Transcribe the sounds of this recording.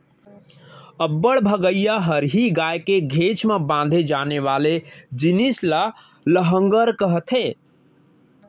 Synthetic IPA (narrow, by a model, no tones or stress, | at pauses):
əbːəɽbʱəɡəjaɦəɾɦiɡajkeɡʱet͡ʃmebãnd̪ʱed͡ʒaneʋaled͡ʒinisla | ləɦə̃ŋɡəɾkəɦət̪ʰɦe